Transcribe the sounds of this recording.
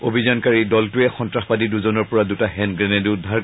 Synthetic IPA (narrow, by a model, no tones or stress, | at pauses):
obʱizankaɹidɔltʊɛxɔntɹaxpadiduzonɔɹpɔɹadutaɦɛnɡɹɛnɛdʊdʱːaɹ